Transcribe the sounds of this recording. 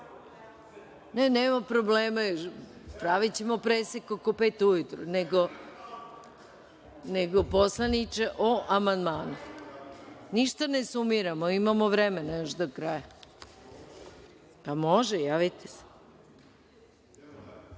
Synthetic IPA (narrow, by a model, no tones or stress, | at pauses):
neneːmapɾobleːmajo | pɾaʋit͡ɕemopɾesekokopeːt̪ujut̪ɾuneɡo | neɡoposlˠanit͡ʃe̞ʔoʔamand̪maːnu | niʃt̪anesumiɾamoimamoʋɾemenajoʃd̪okɾaːja | pamo̞ʒejaːʋit̪ʰese̥